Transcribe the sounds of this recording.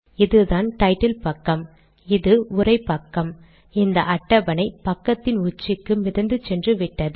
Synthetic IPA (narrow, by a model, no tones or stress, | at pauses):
ɪðɯðaːnʈɐɪʈːɐlpɐkːɐm | ɪðɯʊrɐɪpːɐkːɐm | ɛnd̪ɐʔɐʈːɐbɐnɐɪpɐkːɐt̪ːɪnʊt͡ʃːɪkːɯmɪðɐnd̪ɯt͡ʃɛndrɯʋɪʈːɐðɯ